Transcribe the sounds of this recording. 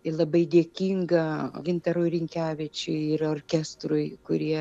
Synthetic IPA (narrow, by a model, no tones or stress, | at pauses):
ɪlˠɐbɐɪd̪ʲiɛkʲiːŋɡɐɡʲɪnt̪ɐɾuɪɾʲɪŋʲkʲæːʋʲɪt͡ʃʲʊɪɪroːrʲkʲɛst̪ɾʊɪkʊɾʲiɛ